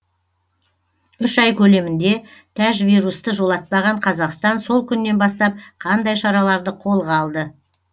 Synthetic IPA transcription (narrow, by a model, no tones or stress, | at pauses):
ʏʃɑjkʲʰɵle̞mɪnd̪e̞t̪ʰæʒvijɾust̪əʒo̞lˠɑt̪̚pɑʁɑɴqʰɑzɑqst̪ɑnso̞lˠkʲʰʏnːe̞nbɑst̪ɑp̚qʰɑnd̪ɑjʃɑɾɑlˠɑɾd̪əqʰo̞lˠʁɑɑlˠd̪ə